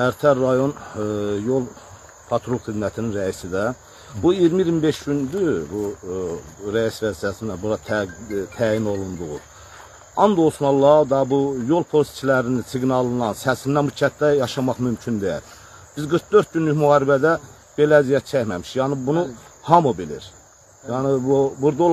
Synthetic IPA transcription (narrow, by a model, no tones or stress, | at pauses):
æɾt̪ʰæɾːɑjo̞njolˠ | pʰɑt̪ʰɾolˠxid̪mæt̪ʰininɾæisid̪æ | buijɾmiiɾimbeʃɟynd̪ybu | ɾæisvæzit̪æsind̪æbuɾɑt̪ʰt̪ʰæːjino̞lˠund̪uɣṵ | ɑnd̪o̞lst̪mɑlˠːɑd̪ɑbujo̞lˠpʰo̞lst̪t͡ʃʰilæɾinsiɡnɑlˠɯnɑnsæsinænbut͡ʃʰæt̪d̪æjɑʃɑmɑχmymcʰynd̪eḭl | b̥izɡɯɾkd̪øɾt̪̚ɟynlyçmuhɑːɾibæd̪æ | b̥e̞læːzijæt̪̚t͡ʃʰæçmæmiʃjɑːnɨbunuhɑmubilḭɾ | jɑːnɨbubuɾd̪olˠ